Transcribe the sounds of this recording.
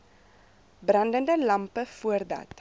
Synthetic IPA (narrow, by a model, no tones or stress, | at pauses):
brɐndəndəlɐmpəfuərdɐ̰t